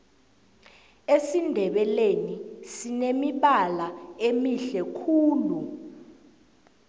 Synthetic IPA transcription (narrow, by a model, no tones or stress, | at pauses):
esindʱɛɓɛlenisinemiɓalaemiɬɛkʰuːlu